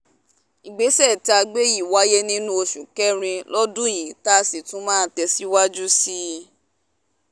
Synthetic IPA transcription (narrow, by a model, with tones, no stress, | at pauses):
i˨ɡ͡be˨˦sɛ˦˨ti˨˦a˧ɡ͡be˦ji˦˨wa˦je˦nĩ˦nũ˦o˧ʃu˨kɛ˦ɾ̃ĩ˧lɔ˦dũ˦˨jĩ˨ta˦˧si˨tũ˦mãː˦˧tɛ˧si˦wa˦d͡ʒu˦si˦˧